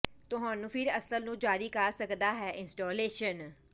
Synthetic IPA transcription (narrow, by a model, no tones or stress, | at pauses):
t̪ʊɦãːnũːpʰɪɾəsəlnũːd͡ʒaːɾiːkaɾsəkd̪aːɦɛːʔɪ̃nsʈoːleːʃən